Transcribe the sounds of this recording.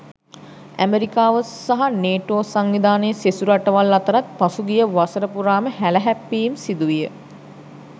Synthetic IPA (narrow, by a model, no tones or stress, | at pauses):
æ̰meɾikaːʋəsaɦaneːʈoːsaŋʋid̪aːnejsesuɾaʈəʋalːat̪əɾat̪̚pasuɡijəʋasəɾəpuɾaːməhæləɦæpːiːmsid̪uʋijə